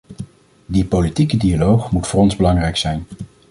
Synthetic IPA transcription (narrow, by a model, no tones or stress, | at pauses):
dipolitikədialowχmutfʊːrɔnzbəlɑŋrɛjksɛjn